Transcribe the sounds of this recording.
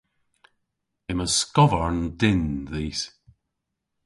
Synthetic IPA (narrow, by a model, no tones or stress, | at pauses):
ɪməskɔvəɹndɪnðiːs